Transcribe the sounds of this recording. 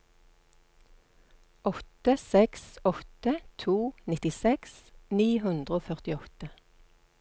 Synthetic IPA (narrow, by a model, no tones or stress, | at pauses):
ɔt̪əsɛksɔt̪ət̪ʰuːnɪt̪ɪsɛksniːhʉnd̪ʁəoːfœʁt̪ɪɔt̪ə